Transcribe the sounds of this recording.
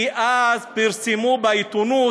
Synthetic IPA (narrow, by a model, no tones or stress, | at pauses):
iʔazpiɾsimubajt̪unu